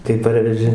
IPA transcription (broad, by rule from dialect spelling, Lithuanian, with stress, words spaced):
tɐɪ ˈpɐrʲʋʲɛʒʲɪ